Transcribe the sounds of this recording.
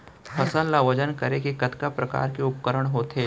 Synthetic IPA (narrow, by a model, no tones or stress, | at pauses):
fʰɐsəlːaʋɐd͡ʒənkəɾekekɐt̪kapɾɐka̰ːɾkeʊp̚kəɾəɽ̃ɦoːt̪ɦeː